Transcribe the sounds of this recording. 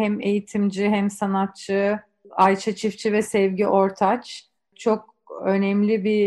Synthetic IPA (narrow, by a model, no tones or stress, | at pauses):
hɛme̞jit̪ʰimd͡ʒiɦɛmsanat̪̚t͡ʃʰɯ | ajt͡ʃʰat͡ʃʰift͡ʃʰivɛsɛvɟiʔo̞ɾt̪ʰat͡ʃ | t͡ʃʰo̞k̚ | ø̞nɛmlʲibi